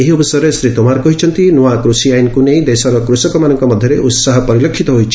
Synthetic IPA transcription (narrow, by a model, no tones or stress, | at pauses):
eɦiɔbɔsɔɾesɾit̪ɔmaɾkɔɦit͡ʃʰɔnt̪inuakɾusiajnkunej̃d̪esɔɾɔkɾusɔkɔmanɔŋkɔmɔd̪ʱjɔɾeʔut̪saɦɔpɔɾilekʰːit̪ɔɦojt͡ʃʰi̥